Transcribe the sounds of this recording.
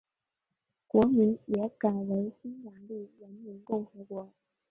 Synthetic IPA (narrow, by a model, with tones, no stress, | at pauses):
kwɔ˧˥mi˧˥njɛ˧˥ka˨˩ɪwe˧˥ɪsi˥nwa˧˥ŋli˥˩ɻə˧˥nmi˧˥nkʊ˥˩ŋxɤ˧˥kwɔ˧˥